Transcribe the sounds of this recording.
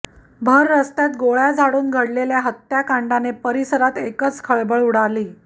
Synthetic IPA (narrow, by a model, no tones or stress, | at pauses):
bʱəɾːəst̪jat̪ɡoɭjad͡zʱaɽuːnɡʱəɽleljaɦət̪jakaɳɖanepəɾisəɾat̪ekət͡skʰəɭbəɭuɽ̤aliː